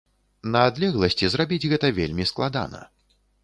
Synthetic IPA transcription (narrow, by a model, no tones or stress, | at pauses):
nɐːd̪lʲɛɣlˠɐsʲt͡sʲizrabʲid͡zʲɣɛt̪ɐvʲḛlʲmʲisklˠad̪a̰nɐ̰